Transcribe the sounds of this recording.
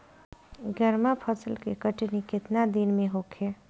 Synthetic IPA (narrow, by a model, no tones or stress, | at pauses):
ɡəɾmapʰəsəlkekəʈnikɪt̪nad̪inmẽɦokʰe